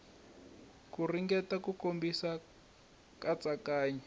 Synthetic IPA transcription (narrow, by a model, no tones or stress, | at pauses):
kuriŋɡɛtakukombisa | kat͡sakaːɲɛ